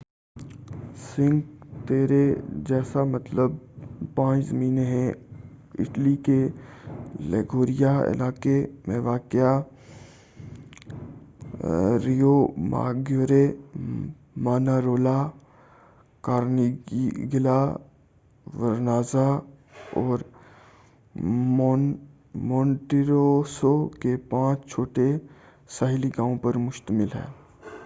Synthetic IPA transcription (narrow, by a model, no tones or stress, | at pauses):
sɪ̃ŋɡt̪eːɾed͡ʒɛːsamɐt̪ləbpãːt͡ʃzəmiːneɦɛ̃ | ɪ̰ʈlike | lɛ̰ɡoːɾijaɪ̰laːkemẽʋaːkɪja | ɾijoma̰ːɡjoːɾe | maːnaɾoːla | kaːɾniɡɪla | ʋəɾnaːza | ɔːɾ | mɔ̃ːɳʈiɾosokepãːt͡ʃt͡ʃʰoːʈe | saːɦliɡãːõpəɾmʊʃt̪əmɪlɦɛ̰ː